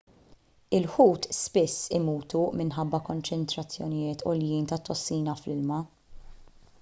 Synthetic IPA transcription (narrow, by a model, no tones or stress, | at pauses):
ɪlħuːt̪spɪsːɪmuːt̪umɪnħɐbːɐkɔnt͡ʃɛnt̪ɾɐt͡sːjɔnɪjɪːt̪ʰɔ̰ljiːnt̪ɐt̪ʰːɔsːiːnɐflɪlmɐ